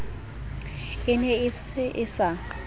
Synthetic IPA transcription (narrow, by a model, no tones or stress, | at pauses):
ɪnɛɪsɪsa